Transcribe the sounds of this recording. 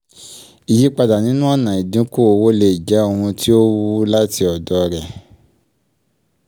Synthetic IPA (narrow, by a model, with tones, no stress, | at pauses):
i˨ji˨˦k͡pa˧da˨nĩ˨˦nũ˦a˦˨nã˨i˨dĩ˨˦ko˦o˧wo˦le˧˨d͡ʒɛ˨˦o˦˧ɾũ˧ti˦o˦wu˦la˦ti˧ɔ˨dɔ˧ɾɛ˨